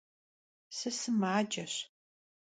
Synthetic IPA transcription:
sɨsɨmaːd͡ʒɐɕ

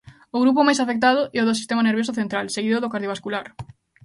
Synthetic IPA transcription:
ʊɣɾup̬ʊmajsafek̚t̪̬aðʊʔɛoðʊsi̥st̪emaneɾβjos̬ʊθent̪ɾalseɣiðʊðokaɾðjoβaskulaɾ

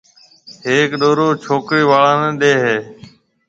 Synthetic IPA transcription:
ɦeːkɗoːɾoːt͡ʃʰoːkɾiːʋaːɭãːnəɗeːɦeː

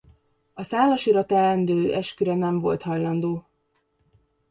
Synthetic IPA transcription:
ɒsaːlɒʃiɾɒt̪ɛlɛnd̪øːʔɛʃkyɾɛnɛɱvo̞̰lt̪hɒjlɒnd̪oː

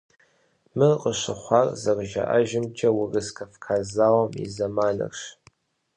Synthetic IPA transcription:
mɨqəɕɨχʷɑːrzɐrʒɐ̰ʔɐʒɪmt͡ʃʼɐwʊrɨskʰɐfkʰaːzaːwɐmḭzɐmaːnɐ̰rʂ

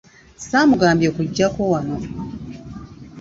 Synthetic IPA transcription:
saːmuɡaːmbjokuɟːako̞wano̞

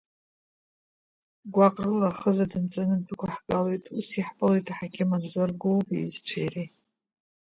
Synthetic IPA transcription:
ɡʷaqʼrɨlaχəzadɨnt͡sʼanɨdʰukʷʰaħɡʼalojtʼusiħpʼɨlejtʰʼaħakʲɪmanzʷarɡowpʼḭzt͡ɕʷʰajri

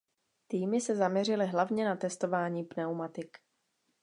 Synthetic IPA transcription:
t̪iːmɪsɛzamɲɛrɪlɪɦlavɲɛnat̪ɛst̪o̞vaːɲiːpnɛwmat̪ɪk

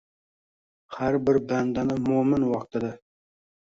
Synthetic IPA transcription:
haɾbɪɾband̪anɪmʊmɪnwɒqt̪ʰɪd̪ɪ

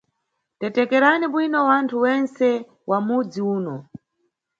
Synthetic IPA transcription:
tɛtɛkɛɾaniɓwinɔwantʰuwɛnsɛ | wamud͡ziuːnɔ

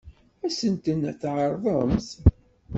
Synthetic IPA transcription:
æsənt̪ənæθʕəɾˤðˤɑmθ

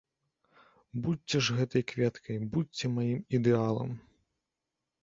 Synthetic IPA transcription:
butʲt͡sːʲɛʐɣɛt̪ɐjkvʲɛt̪kʰɐjbutʲt͡sʲɛmajimid̪ɛalˠɐ̰m

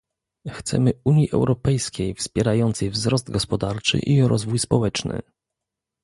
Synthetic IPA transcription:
xt̪sɛ̰mɘuɲjiʔɛ̰wɾɔpɛjskʲejfspʲjɛɾajɔnt̪sɛjvzɾɔzd̪̚ɡɔspɔd̪aɾt͡ʂɘ̰ʔiɾɔzvujspɔwɛt͡ʂnɘ̰

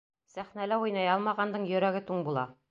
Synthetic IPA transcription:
sæχnælæujnɑjɑlˠmɑʁɑnd̪ɤɴjɵ̆ɾæɡɘt̪uɴbulˠɑ

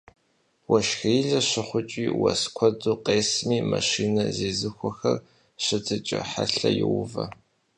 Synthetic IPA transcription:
wɐʃxijɮɐɕɪχʷʊt͡ʃʼiːwɐskʷʰɔduːqeːsmiːmɐʃiːnɐzeːzɨxʷɔxɐr | ɕɨtʰɨt͡ʃʼɐħaɬɐjɪwʊvɐ

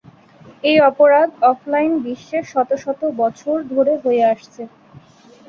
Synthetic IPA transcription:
ejɔpoɾad̪ʱɔflajnbiʃːeʃɔt̪oʃɔt̪obɔt͡ɕʰoɾd̪ʱoɾeɦoeaʃt͡ɕʰe

